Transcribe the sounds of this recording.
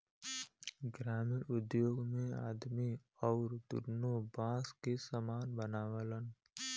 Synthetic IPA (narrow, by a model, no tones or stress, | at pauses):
ɡɾaːmɪnʊd̪joːɡmẽa̰ːd̪mi | ɔːɾd̪ʊ̰ɾnobãːskesəmaːnbənaːʋələn